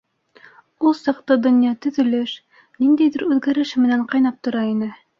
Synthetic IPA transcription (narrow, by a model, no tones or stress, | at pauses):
ulˠsɑqt̪ɤd̪ŏnjɑt̪ɵ̆ðɵ̆lɘʃ | nind̪æjðɘɾʉðɡæɾɘʃɘmɘ̆næɴqɑjnɑp̚t̪ŏɾɑinɘ